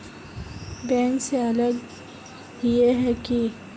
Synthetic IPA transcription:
bɛːnseɐləɡ | jeɦɛki

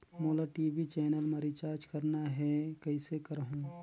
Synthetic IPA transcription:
moːlaʈiːbit͡ʃɛːnəlməɾit͡ʃaːɾd͡ʒkɐɾnaɦɛkɐɪsekɐɾɦũː

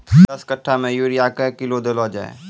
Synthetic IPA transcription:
ɐskəʈʰːamẽjuːɾijakekɪlod̪əloːd͡ʒa̰ːḛː

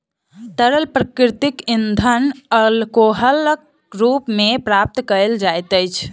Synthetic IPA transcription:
t̪əɾəlpɾəkɾt̪ikind̪ʱənəlkoɦəlk | ɾupmepɾap̚t̪kəld͡ʒajt̪əjt͡ʃʰ

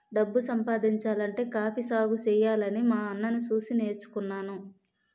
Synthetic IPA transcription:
ɖɐbːusɐmpaːd̪iɲt͡ʃaːlɐɳʈe̞ːkaːpisaːɡut͡ʃɛːjaːlɐnimaːɐnːɐnit͡ʃuːsine̞ːɾt͡ʃu̥kunːaːnu

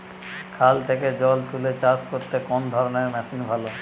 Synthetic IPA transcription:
kʰalt̪ʰeked͡ʑɔlt̪ʰulet͡ɕaskoɾt̪ekond̪ʱɔɾoneɾmɛsinbʱalo

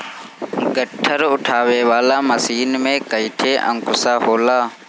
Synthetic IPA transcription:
ɡəʈʰːəɾʊʈʰaːʋeːʋaːlaːməsiːnmẽːkəiʈʰeːʔə̰̃ŋkʊsaːɦoːlaː

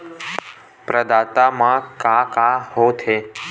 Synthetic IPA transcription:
pɾəd̪aːt̪amãkakahot̪ʰe

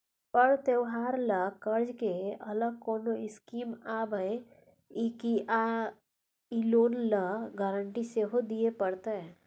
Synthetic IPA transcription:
pəɽt̪ewɦaːɾləkəɾd͡ʒkeɐləɡ̚koːnoɪskiːmaːbəj | ikiʔa | iloːnləɡəɾəɳʈiseɦod̪iepəɽt̪e

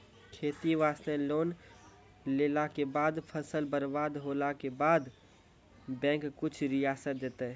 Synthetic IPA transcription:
kʰeːt̪iʋaːsnẽloːn | leːlakebaːd̪pʰəsəlbəɾbaːd̪ɦoːlakebaːd̪ | bɛ̃ːŋkkːʊt͡ʃʰɾɪjaːsət̪̚d̪eːt̪eɦɛ

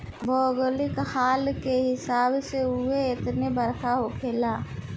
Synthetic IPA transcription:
bʱɔːɡlɪkhaːlkeɦɪsaːbseuɦeɪt̪nebəɾkʰaɦokʰeːlaː

